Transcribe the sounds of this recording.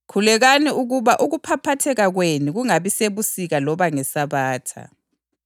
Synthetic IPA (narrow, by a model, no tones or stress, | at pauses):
kʰulɛɣaniuɣuβaʔuɣupʰapʰatʰɛɣaɣweniɣuŋaβiseβusiɣalɔβaŋɛsaβaːtʰa̰